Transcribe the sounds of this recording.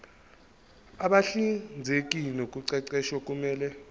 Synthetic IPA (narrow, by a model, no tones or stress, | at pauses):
aɓaɬind͡zʱek̬ʼinokʼuǀɛǀɛʃwɔkʼumɛːlɛ